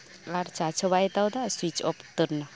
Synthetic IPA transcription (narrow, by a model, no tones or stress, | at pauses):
laɾt͡ʃat͡ʃʰɔβajt̪awd̪aswit͡ʃɔpt̪ɯɾna